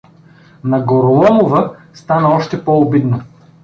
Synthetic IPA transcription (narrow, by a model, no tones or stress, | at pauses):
nɐɡoɾolˠɔmovəst̪anəɔʃt̪ɛpɔobid̪no